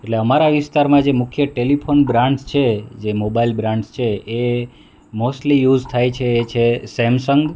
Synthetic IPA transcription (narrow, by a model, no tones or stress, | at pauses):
eʈleəmaɾaʋɪst̪aɾmãd͡ʒemʊkʰjəʈelipʰonbɾãɳɖst͡ʃʰed͡ʒemobailbɾãɳɖst͡ʃʰee | mosʈlijud͡ʒt̪ʰajt͡ʃʰeːt͡ʃʰesɛmsəŋɡ